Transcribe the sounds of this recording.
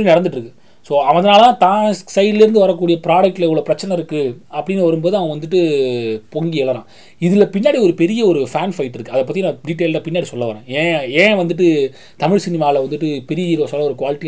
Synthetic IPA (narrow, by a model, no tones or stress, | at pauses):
ɽinɛɽɐnd̪ɯʈːɾɯkːɯ | soːɐʋɐ̃ɐðɐnaːlɐãːt̪ãːsɐɪɖɪlɪɾɯnd̪ɯʋɐɾɐkːuːɽɪjɐpɪɾaːɽɐk̚ʈːɪlɪʋɐɭoːpɪɾɐt͡ʃːɐnɐɪɾɯkːɯɐpːɐɽɪnːʋɐɾɯmboːðɯɐʋɐ̃ʋɐnd̪ɯʈːɯpɔŋɡiɛlɐɾã̰ː | ɪðɪlɐpɪnːaːɽiɔɾɯpɛɾɪjɐɔɾɯfaːnfɐɪʈːɪɾɯkːɯɐðɐp̬ːɐt̪ːijnãːɖiʈ̬ːeːllaːpɪnːaːɽisɔlːɐʋɐɾẽːẽːẽːʋɐnd̪ɯʈːɯ | t̪ɐmɪɻsɪnɪmaːlɐʋɐnd̪ɯʈːɯpɛɾɪjɐiːɾoːsɔlːɐɔɾɯkʋaːlɪʈːi